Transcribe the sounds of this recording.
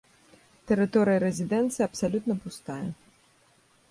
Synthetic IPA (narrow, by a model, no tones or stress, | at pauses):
t̪ɛɾɨt̪ɔɾɨjɐɾɛzʲid̪ɛnt̪sɨjɐpsalʲut̪nɐpust̪ajɐ